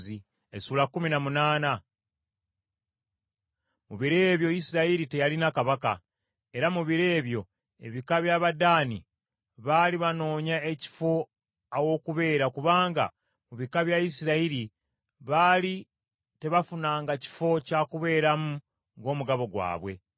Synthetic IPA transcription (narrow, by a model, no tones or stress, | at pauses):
i | esuːlakːuminamunaːna | muβiɾe̞ːβjo̞jisiɾaiɾite̞jalinakaβaka̰ | e̞ɾamuβiɾe̞ːβjo̞ | e̞̰βikaβjaβadaːnḭ | βaliβano̞ːɲae̞ci̥fo̞ | awo̞kuβe̞ːɾakuβaːŋɡa̰ | muβikaβjajisiɾaiɾi | βali | te̞βafunaːŋɡaci̥fo̞cakuβe̞ːɾamu | ŋɡo̞ːmuɡaβo̞ɡwa̰ːβwe̞̰